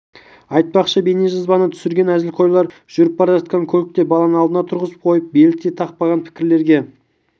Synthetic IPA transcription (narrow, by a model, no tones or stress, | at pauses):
ɑjt̪̚pɑqʃəbeneʒɑzbɑnət̪ʰʏ̥sɪɾɡʲe̞næzɪlʲqʰo̞jlˠɑɾ | ʒ̥ʏɾɪp̚bɑɾɑʒɑt̪̚qɑŋkʲʰɵlɪk̚t̪e̞bɑlˠɑnənɑlˠd̪ənɑt̪ʰʊɾʁəzə̥p̚qʰo̞jəp̚be̞lɪt̪ːet̪ʰɑq̚pɑʁɑnpʰɪ̥kʲɪɾle̞ɾɡʲe̞